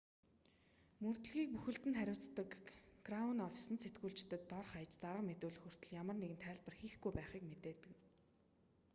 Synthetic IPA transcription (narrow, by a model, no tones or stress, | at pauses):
mɵrt̪̆ɮɣiːk̚puxɘ̆ɬt̪ɘ̆nχæɾʲʊːt͡st̪ə̆kɡ̥raʊnɔfʲi̥sə̆nset̪ɡuːɮt͡ɕt̪ɘ̆t̪ːɔrχajə̆t͡ɕt͡saɾə̆qmet̪ʊːɮɘ̆xɵr̥t̪ɵ̆ɮjamə̆rneɣɘ̆nt̪ʰæːɮpə̆rxiːxɡujpæːχiːkmet̪eːt̪ɘ̆k